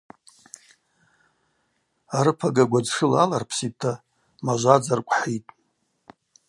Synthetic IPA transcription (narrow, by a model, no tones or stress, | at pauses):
aɾɨpʰaɡaɡʷad͡zʂɨlalarpʰsitʰːa | maʒʷad͡zarkʷʼħitʼ